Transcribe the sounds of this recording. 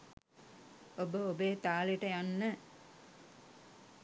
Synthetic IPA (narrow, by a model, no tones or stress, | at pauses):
obəobeːt̪aːliʈəjanːə